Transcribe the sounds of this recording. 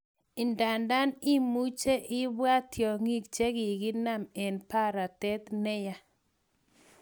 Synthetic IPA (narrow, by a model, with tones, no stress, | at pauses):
ɪ˨nda˨nda˦nɪ˦mu˦t͡ʃe˦ʔɪ˦bwa˦t̪jɔ˨ŋi˦k̚t͡ʃe˦ɡɪ˨ɡɪ˦na˦mɛ˨npa˦ɾa˨tɛ˦t̪nɛ˦ja˦